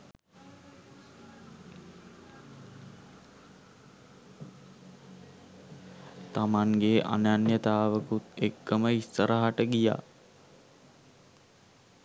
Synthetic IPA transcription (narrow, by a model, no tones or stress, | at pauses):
t̪amaŋɡeʔa̰nanjət̪aːʋəkut̪ekːəməist̪əɾaɦaʈəɡija̰ː